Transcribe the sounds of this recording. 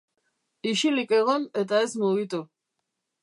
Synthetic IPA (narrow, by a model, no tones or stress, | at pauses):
iʃilike̞ɣo̞ne̞t̪ae̞zmuɣit̪u